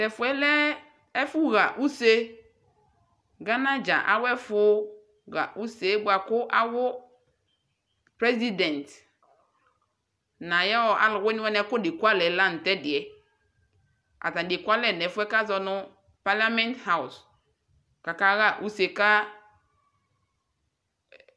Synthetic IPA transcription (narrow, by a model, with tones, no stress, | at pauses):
tɛ˨fʊ˨ɛ˦lɛ˦ | ɛ˦fu˦ɣa˨ʔu˦se˦ | ɡa˦na˦d͡ʒa̰˨ʔa̰˨wɛ˦fʊ˦ | ɣa̰˨ʔu˦se˦ɡʷa˨kʊ˦ʔa˦wʊ˦ | pɾɛ˦zi˦dɛ̃˨nt | na˨jɔ˦˨a̰˦lʊ˨wɛ˦ni˦wɛ˦nɛ˦kʊ˦˨di˨kʷa˦lɛ˨la˦˨n̩˨tɛ˦dɪ˨ɛ˨ | a̰˨ta˨di˨kʷa˦lɛ˦˨nɛ˨˦fɛ˦ka˦zɔ˨nʊ˦ | pa˦la˦mɛ˦n˦tha˦ʊ˨s | ka˨ka˦ɣa˦ʔu˦se˨ka˦